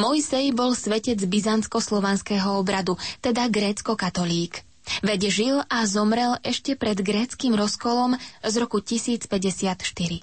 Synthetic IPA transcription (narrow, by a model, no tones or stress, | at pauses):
mɔjsɛjbɔlsʋɛcɛd͡zbizant͡skɔslɔʋɛnskɛːɦɔɔbɾad̪ut̪ɛd̪aɡɾɛːt͡skɔkat̪ɔliːɡ | ʋɛɟɛʒilazɔmɾɛlʔɛʃcɛpɾɛd̪ɡɾɛːt͡skimɾɔskɔlɔmzɾɔkucisiːt͡spɛɟɛsɪat̪ʃt̪iɾi